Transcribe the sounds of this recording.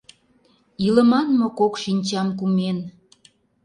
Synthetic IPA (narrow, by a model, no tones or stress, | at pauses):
ilə̆mɑnmokokʃinʲt͡ɕɑmkumen